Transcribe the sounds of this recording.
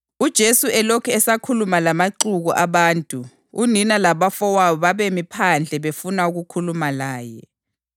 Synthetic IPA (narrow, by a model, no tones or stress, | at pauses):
ud̥ʒ̥ʱesuɛlɔkʰɛɛsakʰulumalamaǃuɣuʔaβaːntʼu | uninalaβafɔwawɔβaβemipʰand͡ɮʱɛβefunauɣukʰulumalaːjɛ̰